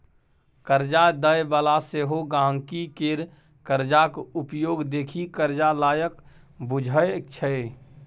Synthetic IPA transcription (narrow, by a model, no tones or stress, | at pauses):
kəɾd͡ʒad̪əjʋaːlaseːɦoɡãːŋkikeːɾ | kəɾd͡ʒakʊpjoːɡd̪eːkʰikəɾd͡ʒalaːjək | bʊd͡ʒʱət͡ʃʰəe